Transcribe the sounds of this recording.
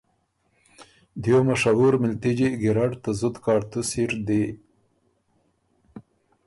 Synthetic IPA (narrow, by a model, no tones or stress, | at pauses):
d̪jomaʂaɦuɾmɪlt̪id͡ʒiɡɪɾaɖt̪azʊd̪kɑːɽt̪usiɾd̪e